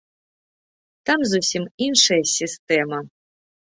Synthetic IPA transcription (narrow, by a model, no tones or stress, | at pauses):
t̪amzusʲiminʂɐjɐsʲist̪ɛmɐ